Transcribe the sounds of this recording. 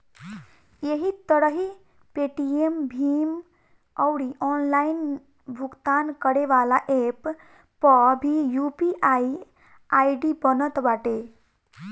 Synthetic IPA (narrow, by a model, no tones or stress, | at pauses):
jeɦit̪əɾəɦi | peʈiembʱim | ɔwɽiʔɔːnlain | bʱuɡt̪ankəɽeʋalaʔepː | əbʱijupiʔai | aiɖibənət̪baʈe